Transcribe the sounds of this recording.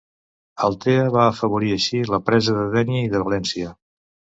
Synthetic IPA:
əlˠt̪eəβaəfəβ̞uɾiəʃiləpɾɛzəðəðɛniəiðəβəlɛnsiə

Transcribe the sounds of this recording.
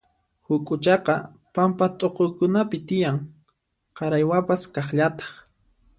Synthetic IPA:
hʊkʼʊt͡ʃɑqɑ | pampat̪ʼoqojkʊnapɪt̪ɪjaŋ | qɑɾajwapaskɑχʎat̪ɑ̥χ

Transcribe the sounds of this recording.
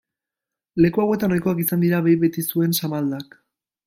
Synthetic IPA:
le̞kuawe̞t̪anajko̞akisand̪iɾaβejβe̞t̪isue̞nsamald̪ak

